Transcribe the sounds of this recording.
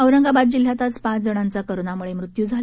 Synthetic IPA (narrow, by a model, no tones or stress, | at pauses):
əwɾəŋɡabad̪̚d͡ʑil̤ɦjat̪at͡spãd͡zəɽ̃ant͡sakəɾonamuɭemɾut̪juːd͡zʱal